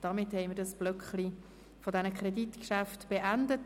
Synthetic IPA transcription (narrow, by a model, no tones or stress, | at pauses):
d̥ɑmɪthɛɪmɪɾdɑsb̥lœkχli | fodɛnəkʰʁɛditkʃæftb̥eʔændət